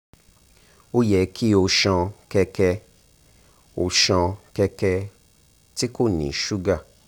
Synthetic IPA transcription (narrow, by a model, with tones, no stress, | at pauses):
o˦jɛ˨˦kʰi˦o˧ʃɔ̃˧kɛ˧kɛ˧ | o˧ʃɔ̃˧kɛ˧kɛ˧ | ti˦ko˦˨nḭ̃˨ʃu˦ɡa˦˨